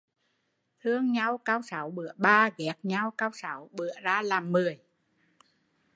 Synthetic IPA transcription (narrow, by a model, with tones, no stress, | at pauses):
t̪ʰɨ˧əŋɲa˧wkaː˧wsa˨˦wɓɨ˧˦˥əɓaː˧ɣɛ˨˦˥k̚ɲa˧wkaː˧wsa˨˦wɓɨ˧˦əzaː˧laː˨˩mːɨ˨˩əj